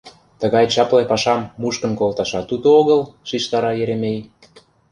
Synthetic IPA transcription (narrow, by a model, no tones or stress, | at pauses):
t̪ə̆ɣɑjt͡ɕɑplepɑʃɑmːuʃkə̆nkolt̪ɑʃɑt̪ud̪ooɣə̆lʃiʃt̪ɑɾɑjeɾemej